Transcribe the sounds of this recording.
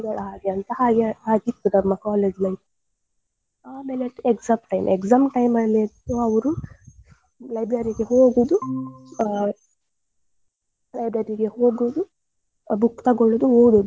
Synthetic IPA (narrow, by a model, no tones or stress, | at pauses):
ɡɐɭɦaːɡeɐnt̪ɐhaːɡhaːɡit̪ːud̪ɐmːɐkaːleːd͡ʒlɐj | aːmeleʈːekzamʈɐjmʔekzaːmʈɐjmɐleːt̪ːoɐʋɐɾu | lɐjbɾɐɾiɡe̞ɦoːɡud̪u | lɐjbɾɐɾiɡeho̞ːɡud̪u | bukːt̪ɐɡɔɭːud̪uɦoːɽud̪u